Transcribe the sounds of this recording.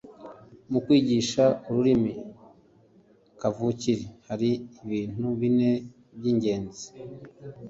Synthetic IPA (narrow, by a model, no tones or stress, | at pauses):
mukwiːɟiʃauɾuɾimi | kavuciɾehaɾiːβiːn̥uβine̞ | bjiːɲɟe̞ːnzi̥